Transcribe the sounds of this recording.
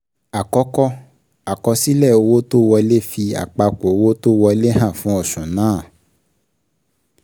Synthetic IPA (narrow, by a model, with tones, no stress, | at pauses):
a˨kɔ˨˦kɔ˦ | a˨kɔ˧si˦lɛ˦˨o˧wo˦to˦wɔ˧le˦fi˧a̰˨k͡pa˧ko˨o˧wo˦to˦wɔ˧le˦ɦã˦˨fũ˦ɔ˦˨sũ˨nãː˨˦˨